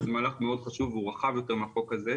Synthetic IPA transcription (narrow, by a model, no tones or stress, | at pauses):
zemaːlaχmeo̞d̪χaʃuvːeuʁaχavjo̞t̪e̞meaχo̞kaze